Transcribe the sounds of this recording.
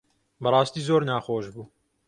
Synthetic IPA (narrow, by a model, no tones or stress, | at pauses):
bɐrˤɑːst̪iːzoːɾnaːxoːʒbuː